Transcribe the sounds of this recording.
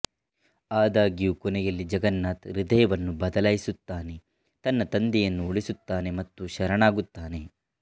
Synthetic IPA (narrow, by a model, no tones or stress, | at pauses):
aːd̪aːɡijuːkɔnɛjɐlːid͡ʒɐɡɐnːaːt̪ɾid̪ɐjɐʋɐnːubɐd̪ɐlaːjisut̪ːaːne̞ | t̪ɐnːɐt̪ɐnd̪ijɐnːuoɭisut̪ːaːne̞mɐt̪ːuʃɐɾɐɳaːɡut̪ːaːne̞